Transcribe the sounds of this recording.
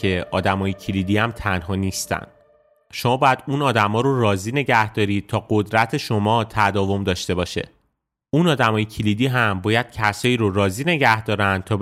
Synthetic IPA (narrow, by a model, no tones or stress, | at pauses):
e̞ʔɒːd̪æmɒːjecʰilid̪iːæmt̪ʰænɦɒːniːst̪æ̰nd̪̥ | ʃo̞mɒːbɒːjæd̪̥unɒːd̪æmɒːɾorɒːziːne̞ɟæhd̪̥ɒːɾiːd̪̚t̪ʰɒːɢod̪ɾæt̪ʰe̞ʃo̞mɒːt̪ʰæd̪ɒːvo̞md̪ɒːʃt̪e̞bɒːʃe̞̰ | unɒːd̪æmɒːjecʰilid̪iːɦæmbɒːjæd̪̥̚cʰæsɒːiːɾorɒːziːne̞ɟæhd̪ɒːɾænd̪̚t̪ʰɒː